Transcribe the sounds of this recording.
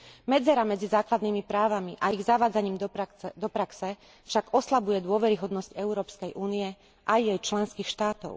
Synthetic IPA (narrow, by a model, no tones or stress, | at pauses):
mɛd͡zɛɾamɛd͡zizaːklad̪niːmipɾaːʋamiʔaiɣzaʋaːd͡zaɲiːmd̪ɔpɾaksɛ | fʃaɡɔslabujɛd̪ʊɔʋɛɾiɦɔd̪nɔscɛʊɾɔːpskɛjʔuːniɛ | ʔajːɛjt͡ʃlɛnskiːxʃt̪aːt̪ɔ̰ʊ